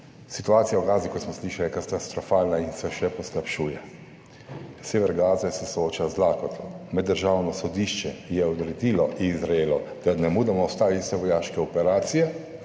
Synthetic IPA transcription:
sit̪uaːt̪sijawɡaːzikɔt̪smɔsliʃalijɛkat̪ast̪ɾɔfaːlnainsɛʃɛpɔsklapʃuːjɛ | seːʋɛɾɡaːzɛsɛsooːt͡ʃazlaːkɔt̪lɔmɛd̪ːəɾʒaːwnɔsɔd̪iʃt͡ʃɛjɛɔd̪ɾɛd̪iːlɔʔizɾaelɔd̪̥anɛmuːd̪amɔɔst̪aːʋisɛʋɔjaːʃkɛɔpɛɾaːt̪sijɛ

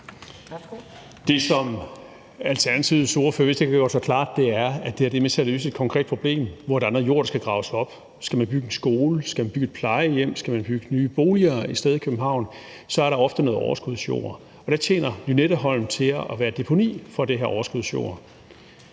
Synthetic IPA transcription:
d̥e̝sɒ̽m | ælt͡sʰæɐnt͡sʰið̩ˠso̝ɐfø̰ɐʋe̝sd̥ekʰæɡ̥ɶ̰ɐsɒkʰl̥ɑ̰̈ːd̥ːe̝æɐæd̥e̝æɐd̥eɐmet͡sʰe̝ælø̰ːsəe̝d̥̚kʰɒ̽ŋkʰʁɛ̰ːd̥pʰo̝b̥le̝̰ːmʋɒe̝d̥ɑ̈nd̥ʁ̩ˠjo̝̰ɐ̰ɾɑsɡ̥æɡ̥ʁɑ̈ʊsɒ̽b̥ | sɡ̥æmænb̥yɡ̥əensɡ̥o̝ːləsɡ̥æmænb̥yɡ̥ed̥pʰlɑ̈ɪəjem̰sɡ̥æmænb̥yɡ̥ənyːb̥o̝ːliɐːisd̥eð̞ˠikʰøb̥m̩ɦɑ̈ʊ̰n | sɒ̽æɐɾɑ̈ɒ̽fd̥əno̽ːð̩ˠɒʊɐsɡ̥uðˠsɕjo̝̰ːɐ | ɒ̽ɾ̥ɑ̈t͡ɕʰjḛːnɐlyneɾ̥əɦɒ̽l̰m̩t͡sʰe̝æʋæːɐd̥e̝pʰo̝nḭːfɒ̽d̥eɦeɐɒʊɐsɡ̥uðˠsɕjo̰ːɐ

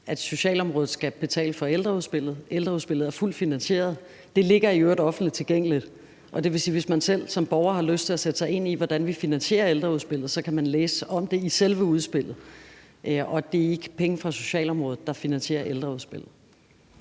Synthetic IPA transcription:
ʔæd̥so̝ɕɛ̰ːlɒ̽mʁɔ̽ːð̩ˠsɡ̥æb̥e̝t͡sʰɛ̰ːləfɒ̽eld̥ʁɐuðˠsb̥e̝l̰ð̞̩ˠeld̥ʁɐusb̥e̝l̰ð̩ˠæɐful̰d̥finænɕe̝̰ːɐð̞̩ˠ | d̥e̝le̝ɡ̥ɐiøɐd̥ɒ̽fn̩dlid̥t͡sʰe̝lɡ̥eŋ̰əlid̥ | ʔɒ̽d̥e̝ʋe̝siːʋe̝smænsel̰sɒ̽mb̥ɒʊɐhɑ̈løsd̥t͡sʰe̝læsed̥ə̥sɑ̈ɪe̝n̰iʋɒd̥ænʋifinænɕe̝̰ːɐeld̥ʁɐuðˠsb̥e̝l̰ð̩ˠsɒ̽kʰæmænleːsɒ̽md̥e̝iselʋəuð̞ˠsb̥e̝l̰ð̩ˠ | ɒ̽d̥e̝æɐe̝ɡ̥ə̥pʰeŋəfʁɑ̈so̝̥ɕɛ̰ːlɒ̽mʁɔ̽ːð̞̩ˠd̥ɑ̈finænɕe̝̰ːɐʔeld̥ʁɐuðˠsb̥e̝l̰ð̩ˠ

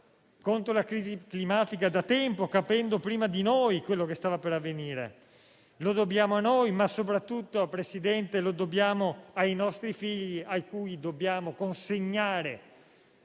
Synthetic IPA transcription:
kont̪ɾolakɾiːziklimaːt̪ikad̪at̪ɛmpokapɛnd̪opɾiːmad̪inojkwelːokest̪aːvapeɾavːeniːɾḛ | lod̪objaːmoanːojmasop̬ɾat̪ːut̪ːoapːɾesid̪ɛnt̪elod̪objaːmoajnɔst̪ɾifiʎːiajkuːjd̪obːjaːmokonseɲːaːɾe

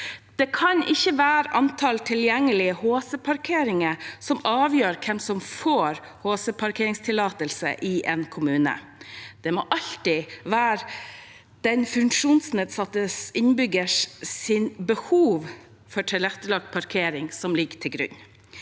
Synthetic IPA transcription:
d̪̥ɛkʰɑnʔɪçːəʋæːɾəʔɑnt̪ʰɑlt̪ʰɪljɛŋːəlɪəhoːsəpʰɑɾkʰeːɾɪŋəsɔmɑːʋjøːɾkʰɛmsɔmfoːɾ | hoːsəpʰɑɾkʰeːɾɪŋst̪ʰɪlɑːt̪əlsə̰ʔɪʔeːnkʰʊmʉːnə̰ | d̪̥ɛmɔʔɑʎt̪ɪʋæːɾ | d̪̥ɛnfʉŋkʂuːnsneːd̪sɑt̪ːəsɪnbʏɡəʂsɪnbəhuːʋ | fɔʈʰɛlɛt̪ːəlɑk̪̚pʰɑɾkʰeːɾɪŋsɔmlɪɡtʰɪlɡɾʉ̰ɲ

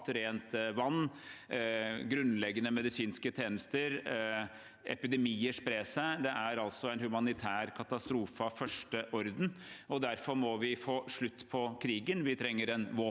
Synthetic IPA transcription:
t̪ɾeːnt̪ʋɑnː | ɡɾʉnlɛɡːənəmɛd̪ɪsiːnskət̪ʰɛːnəst̪əɾ | ʔɛ̰pɪd̪ɛmiːəʂpɾeːsæd̪ɛʔæɾɑlsɔæɪnhʉmɑnɪt̪ʰæːɾkʰɑt̪ɑst̪ɾuːfəɑʋfœʂʈəʔɔɾd̪n̩ɔd̪æɾfɔɾmɔʋɪfoːʂɭʉt̪ːpʰɔkʰɾiːɡənʋɪt̪ʰɾɛŋːəɾɛnʋɔ

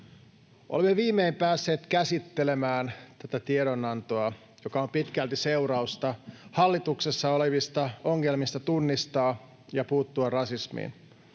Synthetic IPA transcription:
ʔo̰lemːeʋiːmːeimpæːsːe̞ːt̪kæsit̪ːele̞mæːnt̪æt̪æt̪iedonɑnt̪oɑ | jokɑo̞mpit̪kælt̪ise̞uɾɑust̪ɑhɑlːit̪uksesːɑoleʋist̪ɑoŋːelmist̪ɑt̪unːist̪ɑː | jɑpuːt̪ːuɑrɑsismḭːn

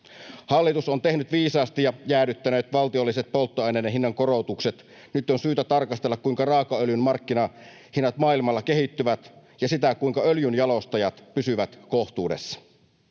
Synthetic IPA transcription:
hɑlːit̪usont̪e̞hnyt̪ʋiːsɑːst̪ijɑjæːdyt̪ːænø̞ːt̪ʋɑlt̪io̞lːiset̪̚po̞lt̪ːoɑjneːnːeɦinːɑŋkorot̪ukset̪ | nyt̪ːonsyːt̪æt̪ɑrkɑst̪e̞lːɑkkuiŋkɑrɑːkɑøljynmɑrkːinɑ | hinːɑt̪mɑːilmɑlːɑke̞ɦit̪ːyʋæt̪jɑsit̪ækuiŋkɑøljynjɑlo̞st̪ɑjɑt̪pysyʋæt̪koht̪uːdesːɑ̥

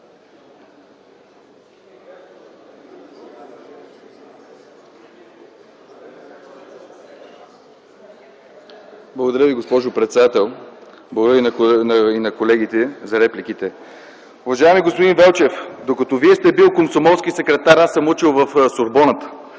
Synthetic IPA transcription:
blˠɐɡod̪ɐɾjəviɡospɔʒʊpɾɛt̪sɛd̪at̪ɛlˠ | blˠəɡodɾəɾninɐkolɛɡ̟it̪ɛzɐɾɛplik̟it̪ɛ | ʊvɐʒaɛmiɡospod̪invɛlˠt͡ʃɛfd̪okɐt̪ɔviɛst̪ɛbilˠkomsomɔlˠsk̟isɛkɾɛt̪aɾasəmut͡ʃilˠvɐfsoɾbɔnət̪

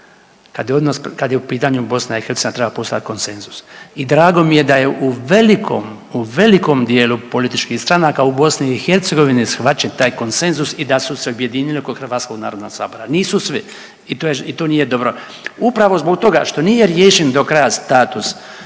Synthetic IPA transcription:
kad̪jeod̪naskad̪jeupiːt̪aɲubo̞snaixeɾt̪einat̪ɾebapost̪oja̰t̪ko̞nse̞nzusid̪ɾaːɡo̞mije̞d̪ajeʔuʋe̞likʰo̰m | uʋe̞liko̞md̪je̞ːlupo̞lit̪it͡ʃkixst̪ɾanaːkaubo̞sniːxeɾt̪seɡo̞ʋinisxʋat͡ʃent̪aːjko̞nse̞nzusid̪asuseobje̞d̪iːnilikoxrɾʋaːt̪koɡ̪na̰ːɾo̞d̪noɡsa̰ːbo̞ɾaniːsusʋi | it̪ojeit̪oːniːjed̪o̞bɾo̞ | upɾaʋo̞zbo̞kt̪o̞ɡa̰ʃt̪o̞niːjeɾjeːʃend̪o̞kɾajast̪aːt̪us

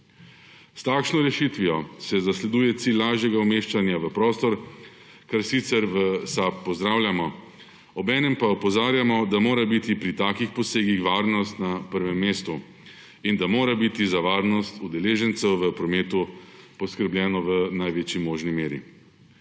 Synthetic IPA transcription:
st̪aːkʃnɔɾɛʃit̪ʋijɔsɛzaslɛd̪uːjɛt̪silːaːʒjɛɡaumeːʃt͡ʃanjaʋəpɾɔːst̪ɔɾ | kaɾsit̪sɛɾʋəsapːɔzd̪ɾaːwlʲjamɔ | ɔbɛːnɛmpaupɔzaːɾjamɔd̪amoːɾabit̪ipɾit̪aːkixpɔseːɡixʋaːɾnɔst̪napəɾʋɛmːeːst̪u | ind̪amoːɾabit̪izaʋaːɾnɔst̪ud̪ɛleːʒɛnt̪sɛwʋəpɾɔmeːt̪upɔskəɾbljɛːnɔʋənajʋeːt͡ʃjimoːʒnimeːɾḭ

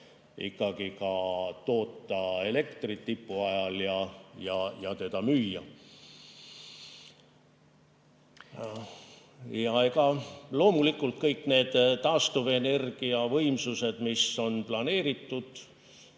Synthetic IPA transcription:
ḭkːɑɡ̥ikɑt̪o̞ːt̪ːˑɑe̞le̞kt̪rit̪ːipːuɑjɑljɑjɑjɑt̪e̞d̪̥ɑmyːjːɑ | jɑekɑlo̞ːmulikːˑult̪̚kɤjkːˑne̞ːd̪̥t̪ːɑːst̪uvene̞rɡ̥iɑvɤjmsuse̞d̪̥miso̞nplɑne̞ːɾit̪ːud̪̥

